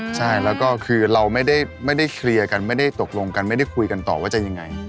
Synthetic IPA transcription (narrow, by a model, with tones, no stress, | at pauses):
t͡ɕʰa˥˩jlɛː˦˥wkɔː˥˩kʰɯː˧ɾa˧wma˥˩jda˥˩jma˥˩jda˥˩jkʰɾi˧ɐka˧nma˥˩jda˥˩jt̪o˨˩k̚lo˧ŋka˧nma˥˩jda˥˩jkʰu˧jka˧nt̪ɔ̰ː˨˩waː˥˩t͡ɕa˨˩ja˧ŋːa˧j